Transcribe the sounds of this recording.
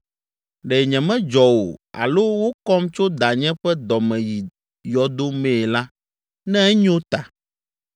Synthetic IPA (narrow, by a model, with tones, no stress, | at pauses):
ɖɛ˨ɲɛ̃˨mɛ̃˦d͡ʒɔ˨wo̰˨a̰˨lo˦wo˦kɔ˦mt͡ʃo˦d̪a˨ɲɛ̃˦ɸɛ˦d̪ɔ˨mɛ̃˨ji˨ | jɔ˨d̪o˦mɛ̃˦˨la˦ | nɛ̃˦ɛ˦ɲ˦o˦t̪a˨